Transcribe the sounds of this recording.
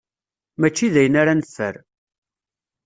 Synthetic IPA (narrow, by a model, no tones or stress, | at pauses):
mæt͡ʃːiðæjənaɾanfːə̰ɾ